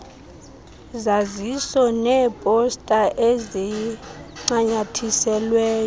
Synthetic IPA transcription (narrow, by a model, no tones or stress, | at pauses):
zazisɔnɛpʼɔstʼaʔɛzɛ | ŋ͡ǀaɲatʰisɛlwɛːjɔ